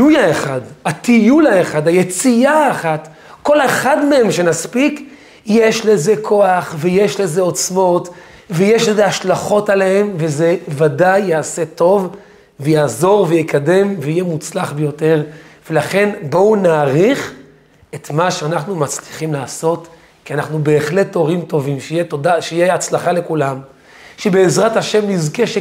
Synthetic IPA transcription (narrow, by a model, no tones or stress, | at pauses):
lujaeχadhatijulaeχadajet͡siaːχat | ko̞leχadmeemʃenaspik | jeʃleze̞kʰo̞aχveje̞ʃle̞ze̞o̞t͡smo̞t | vejeʃleze̞aʃlaχo̞talehemveze̞vadajːaːse̞to̞v | vejaːzo̞ʁvejekʰade̞mveijemut͡slaχbejo̞te̞ʁve̞laχe̞nbo̞unaːʁiχ | e̞t̪maʃeanaχnumat͡sliχimlaːso̞t | kianaχnube̞ːχle̞t̪ːo̞ʁimto̞vimʃeijetodaʃejeat͡slaχale̞kulam | ʃebeːzʁathaʃe̞mnizkeʃe